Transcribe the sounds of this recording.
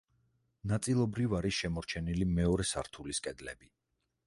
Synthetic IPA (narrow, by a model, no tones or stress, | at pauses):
nat̪sʼilˠɔbɾivaɾisʃɛmɔɾt͡ʃʰɛnilimɛɔɾɛsa̰ɾt̪ʰuliskʼɛd̪lɛbi